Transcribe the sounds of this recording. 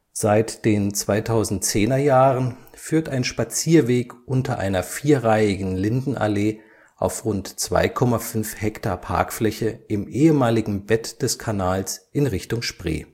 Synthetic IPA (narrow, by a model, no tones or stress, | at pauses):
z̥aɪtd̥eːnt͡sv̥aɪtʰaʊzn̩tt͡seːnɐjaːʁənfyːɐtaɪnʃpat͡siːɐveːkʔʊntʰɐʔa̰ɪnɐfiːɐʁaɪɪɡŋ̩lɪndn̩ʔa̰leː | ʔa̰ʊfʁʊntt͡sv̥a̰ɪkʰɔmafʏnfhɛktaɐpʰa̰ɐkflɛçəʔɪmʔeːəmaːlɪɡŋ̩bɛtd̥ɛskʰanaːlsʔɪnʁɪçtʊŋʃpʁ̥ḛː